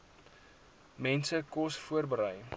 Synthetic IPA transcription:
mɛnsəkɔsfuərbəɾəj

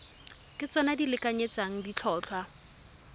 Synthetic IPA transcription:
kʼɪt͡sɔnadilɪkʼaɲet͡saŋ̩dit͡ɬʰɔːt͡ɬʰwa

